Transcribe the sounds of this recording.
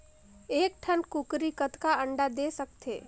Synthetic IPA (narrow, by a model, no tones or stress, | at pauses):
eːk̚ʈʰənkukɾikət̪kaəɳɖad̪eːsəkt̪ʰḛː